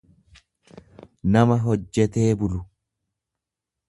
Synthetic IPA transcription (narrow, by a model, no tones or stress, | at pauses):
nɐmɐɦɔd͡ʒːɛt̪e̞ːbʊlʊ